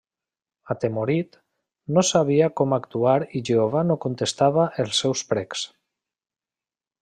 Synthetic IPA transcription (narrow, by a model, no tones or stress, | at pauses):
at̪emoɾit̪ | nosaβiakɔmakt̪uaɾiʒeoβanokont̪est̪aβaʔelˠsɛwspɾɛks